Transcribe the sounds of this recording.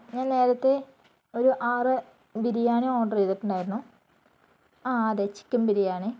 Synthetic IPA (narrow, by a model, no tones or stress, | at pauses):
ɲaːnne̞ːɾɐt̪ːe̞ | o̞ɾuʔaːrɨ | biɾijaːɳɨoːɳɖrijðɐʈːuɳɖaːjiɾunːu | ad̪et͡ɕːi̥kʲːumbiɾijaːɳɨ